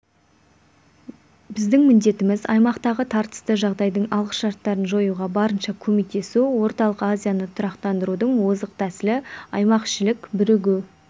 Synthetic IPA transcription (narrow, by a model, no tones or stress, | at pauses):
bɪzd̪ɪŋmɪnd̪e̞t̪ɪmɪzɑ̰jmɑqt̪ɑʁət̪ʰɑɾt̪ə̥st̪əʒɑʁd̪ɑjd̪əɴɑlˠʁəʃʃɑɾt̪ːɑɾənʒo̞juʁɑbɑɾənʃɑkʲʰɵmek̚t̪e̞suwo̞ɾt̪ɑlˠəqazʲijanət̪ʰʊɾɑqt̪ɑnd̪əɾud̪əɴwozəq̚t̪ʰæsɪlɪɑjmɑqʃɪlɪkbʏɾɪɡʲu